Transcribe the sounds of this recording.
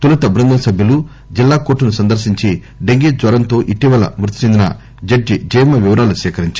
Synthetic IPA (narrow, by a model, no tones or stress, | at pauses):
t̪ulɐt̪ɐbɾɐnd̪ɐmɐsɐbʱjɐlu | d͡ʒilːaːkoːʈːunusɐnd̪ɐɾʃiɲt͡ʃi | ɖeŋɡiːd͡ʒʋɐɾɐnt̪o̞ːʔiʈiʋɐlɐ̰mɾut̪i̥t͡ʃend̪inɐ̰ | d͡ʒɐɖːid͡ʒɐːjmɐʋiʋɐɾaːlusɛːkɐɾiɲt͡ʃ